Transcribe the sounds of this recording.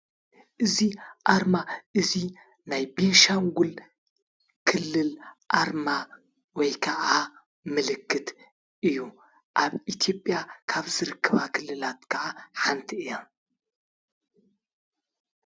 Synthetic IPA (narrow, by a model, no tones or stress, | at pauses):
ʔɨziʔaɾmaʔɨzi | najbeʃaŋɡul | kʰɨlːɨlʔaɾma | wɔjkʰɐʔa | mɨlɨkʰːɨt̪ | ʔɨjːu | ʔaβit̪ʰjo̞pʼjakʰaβzɨɾɨkʰːɐβakʰɨlːɨlat̪kʰɐʔaħant̪ʰiɨja